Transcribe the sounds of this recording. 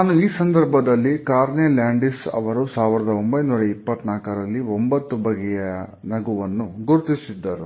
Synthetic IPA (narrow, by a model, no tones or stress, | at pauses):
naːnuiːsɐnd̪ɐɾbʱɐd̪ɐlːikaːɾnelaːɳɖisɐ̰ʋɐɾusaːʋiɾɐd̪ɐombɐjnuːɾɐipːɐt̪naːkɐɾɐlːiombɐt̪ːubɐɡɛjɐnɐɡuʋɐnːuɡuɾut̪isid̪ːɐɾu